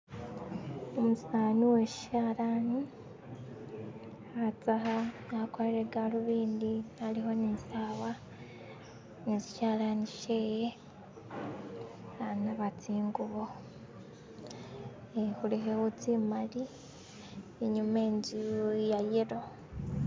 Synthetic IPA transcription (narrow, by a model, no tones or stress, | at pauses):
omusaːniwe̞ʃi̥ʃaːlani | at͡saɦanakoleɾeɡaluβiːndialiɦo̞nisaːβa | nezi̥ʃaːlaniʃeje | anaβat͡siːŋɡuβo | ehuliɦewut͡simali | eɲumeːɲɟijajeɾo